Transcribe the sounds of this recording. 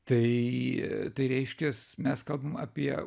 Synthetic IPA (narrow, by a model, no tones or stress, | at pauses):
t̪ɐɪ | t̪ɐɪɾʲɛɪʃʲkʲɛsmʲɛskɐlˠbɐmɐpʲiɛ